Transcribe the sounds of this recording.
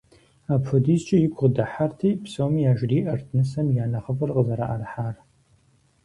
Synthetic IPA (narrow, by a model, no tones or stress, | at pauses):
aːpfɨdiːst͡ʃʼɐjɪkʷʰʁədɐħartʰiːpsowmijaːʒriːʔɐrtʰnɨsɐmjaːnɐχəfɨrqəzɐɾa̰ʔɐrɐħaːr